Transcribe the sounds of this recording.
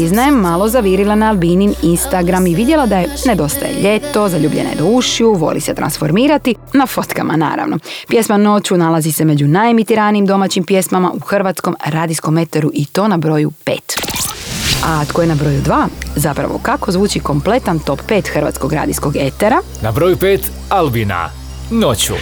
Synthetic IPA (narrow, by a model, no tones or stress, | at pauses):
iznajemːalˠo̞zaʋiːɾilˠanaːlˠbinininst̪aɡɾamiʋid̪je̞lˠad̪ajene̞d̪o̞st̪a̰je̞̰ʎe̞t̪o̞zaʎuːbʎḛno̰jed̪auʃjuʋo̞̰lḭset̪ɾa̰nsfo̞ɾmiːɾat̪i | nafo̞t̪kamʔa̰na̰ːɾa̰ʋno̞̰pje̞smano̞t͡ɕunalˠazise̞me̞d͡ʑunaemit̪iɾaniimd̪o̞maːt͡ɕimpje̞smama̰ʔuxr̩ʋaːt̪sko̞mɾaːd̪isko̞me̞t̪eɾuʔit̪o̞ːnabɾo̞jupḛːt̪ | at̪kojenabɾo̞jud̪ʋaːzapɾa̰ʋo̞̰kako̞zʋuːt͡ɕiko̞mple̞t̪ant̪o̞ppe̞ːt̪xrʋa̰t̪sko̞ɡɾa̰ːd̪isko̞ɡe̞t̪eɾa | nabɾo̞jupeːt̪ | albina̰ | not͡ɕṵ